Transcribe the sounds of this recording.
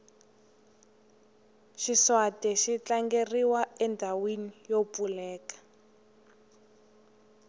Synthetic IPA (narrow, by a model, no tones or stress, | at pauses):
ʃiswatɛʃit͡ɬaŋɡeriwaɛndʱawinijopulɛːkḁ